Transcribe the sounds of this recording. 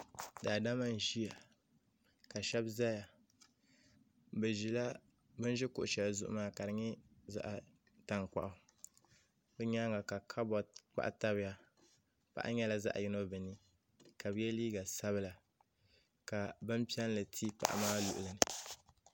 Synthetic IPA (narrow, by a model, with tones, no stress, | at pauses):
daː˨da˦ma˦n˨ʒi˦ja˨ | ka˨ʃɛ˦bza˦ja˨ | bɨ˨ʒi˨la˦ | bɨ˦n˦ʒɛ˦kʊ̰˨ʔʊ˨t͡ʃɛ˨la˨zʊ̰˦ʔʊ̰˦maː˦ka˨ɾɨ˨ɲɛ˦za̰˦ʔa˨ | ta˨ŋk͡pa̰˨ʔʊ˦ | bɛ˦ɲa˦ŋa˨ka˨kʰa˦bɔ˨k͡pa̰˦ʔta˦bɪ˦ja˦ | pa̰˦ʔa̰˦ɲɛ˦la˨za̰˦ʔa̰˨ji˦no˦bɨ˨ni˦ | ka˨bɨ˦jɛ˦liː˦ɡa˨sa˦βɨ˦la˨ | ka˨bɨ˦m˦pi˦ɛ˦n˦lɨ˨tʰi˦pa̰˨ʔa̰˨maː˦lṵ˨ʔʊ˨lɨ˨nɨ˨